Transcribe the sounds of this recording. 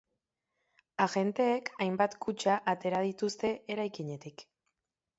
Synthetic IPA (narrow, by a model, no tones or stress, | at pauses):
aɣe̞nt̪e̞ːkʰajmbat̪kut͡ʃaʔat̪e̞ɾað̞it̪ust̪e̞ʔeɾajkiɲe̞t̪ik